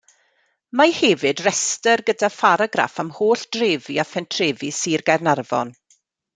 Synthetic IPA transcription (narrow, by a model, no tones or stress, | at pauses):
mahɛvɨdrɛstərɡədafaɾaɡɾa̰famhoːɬd̥reːviafɛntʰreːvisiːrɡarnarvɔ̰n